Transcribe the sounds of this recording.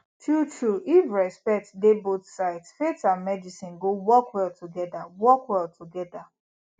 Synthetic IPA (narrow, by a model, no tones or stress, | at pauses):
tʰutuifɹɛspɛk̚tdebotsaɪtfetãnmɛdisĩnɡowɔkwɛlˠtʰuɡɛdawɔkwɛlˠtʰuɡɛda